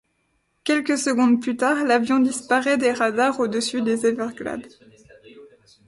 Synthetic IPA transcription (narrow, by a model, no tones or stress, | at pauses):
kʲɛlkəsəɡɔ̃d̪plyt̪aʁlavjɔ̃d̪ispaʁɛd̪eʁad̪aʁod̪əsyd̪ezevɛʁɡla̰d̪